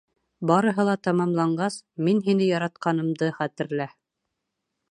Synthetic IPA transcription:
bɑɾɤ̆ɦɤ̆lˠɑt̪ɑmɑmlˠɑɴɢɑsminɦinɘjɑɾɑt̪̚qɑnɤ̆md̪ɤχæt̪ɘ̆ɾlæ

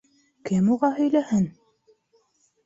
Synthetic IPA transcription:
kɘmuʁɑhɵ̆jlæhɘn

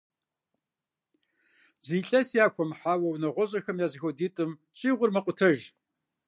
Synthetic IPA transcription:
ziːɬʼɐsjaːxʷɔmħaːwɐwnɐʁʷɔʑʼɐxɐmjaːzɨxʷɔdiːtʼɨm | ɕʼiːʁʷʊrmɐqʷʊtʰɐʒ

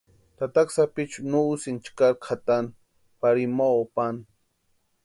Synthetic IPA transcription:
t̪at̪aksapit͡ʃunuusint͡ʃkaɾkʰat̪an | paɾimaopan

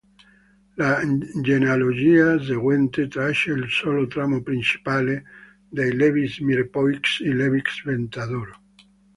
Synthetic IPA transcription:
lad͡ʒenealod͡ʒias̬eɣwent̪et̪ɾaeʃeːlsolot̪ɾamopɾint͡ʃi̥pale | d̪ejleβismiɾpɔiksileβiksbent̪aðoɾo

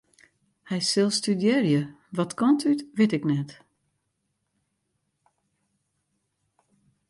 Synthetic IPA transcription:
hɛjsɪlˠstydjɪrjəʋɔtkɔntytʋɪtɪknɛt

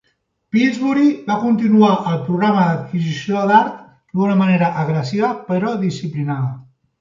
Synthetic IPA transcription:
pizβuɾiβakunt̪inuaʔəlˠpɾuɣɾaməðət̪̚kizisioðaɾt̪ | d̪unəməneɾəʔəɣɾəsiβəpəɾɔðisiplinaðə

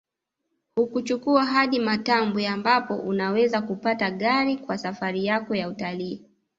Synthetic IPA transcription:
hukut͡ʃukuaɦaɗimatambuambapɔʔunawɛzakupataɠaɾikwasafaɾijakɔjautaliː

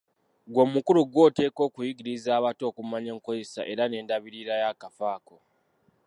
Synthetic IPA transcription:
ɡwo̞mukuluɡwo̞te̞ːko̞ːkujiɡiɾizaːβato̞ːkumaɲe̞ːŋko̞ze̞sa̰ʔe̞ɾane̞ːndaβiɾiɾajakafaːko̞

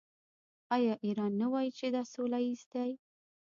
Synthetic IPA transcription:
ɑjɑʔiɾɑnːawɑjit͡ʃed̪ɑsolaist̪aj

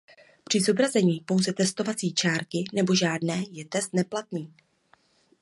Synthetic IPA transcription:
pr̝̥ɪzobɾazɛɲiːpo̞wzɛt̪ɛst̪o̞vat͡siːt͡ʃaːɾkɪnɛbo̞ʒaːdnɛːjɛt̪ɛst̪nɛplat̪niː

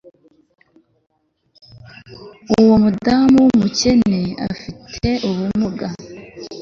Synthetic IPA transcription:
uwomudaːmuwumuce̞ne̞a̰fitʰe̞ʔuβumuɡa

